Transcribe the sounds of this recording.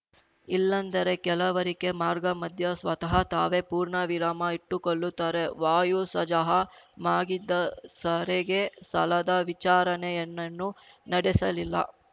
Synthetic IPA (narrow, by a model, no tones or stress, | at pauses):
ilːɐnd̪ɐɾe̞kɛlɐʋɐɾike̞maːɾɡɐmɐd̪ʱjɐsʋɐt̪ɐɦɐt̪aːʋe̞puːɾɳɐʋiɾaːmɐiʈːukoɭːut̪ːaːɾeʋaːjusɐd͡ʒɐɦɐmaːɡid̪ːɐsɐɾeɡe̞sɐlɐd̪ɐʋit͡ʃaːɾɐnejɐnːɐnːunɐɽɛsɐlilːɐ̰